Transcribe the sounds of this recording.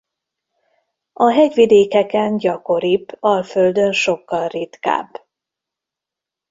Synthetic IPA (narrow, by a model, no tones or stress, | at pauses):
ɒɦɛɟʋid̪eːkɛkɛnɟɒko̞ɾipɒlføld̪ønʃo̞kːɒlrit̪ka̰ːb